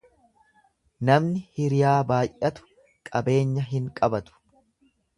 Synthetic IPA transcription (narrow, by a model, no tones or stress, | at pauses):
nɐmnɪhɪɾɪjaːbaːjʔʔɐt̪ʊ̥ | kʼɐbe̞ːɲːɐɦɪŋkʼɐbɐt̪ʊ̥